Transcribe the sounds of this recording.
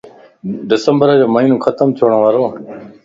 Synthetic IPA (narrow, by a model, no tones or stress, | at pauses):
ɖɪsəmbəɾaːd͡ʑoːməiːnũːkʰət̪əmt̪ʰoːɳ̃ːʋaːɾoː